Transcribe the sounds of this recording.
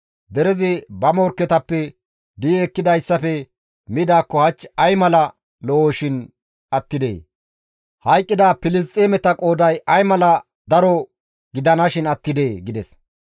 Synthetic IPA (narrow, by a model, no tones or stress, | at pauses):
d̪ɛɾɛzɪbɐmɔɾkːɛt̪ɐpːɛ | d̪iɛkːɪd̪ɐjsːɐfɛ | mɪd̪aːkːɔhɐt͡ʃːɐjmɐlɐ | lɔoːʃɪn | ɐt̪ːɪd̪ḛː | hɐjkʼːɪd̪aːpɪlɪs̬t̪ʼːeːmɛt̪ɐkʼoːd̪ɐjɐjmɐlɐ | d̪ɐɾɔ | ɡɪd̪ɐnɐʃɪnɐt̪ːɪd̪e̞ːɡɪd̪ɛs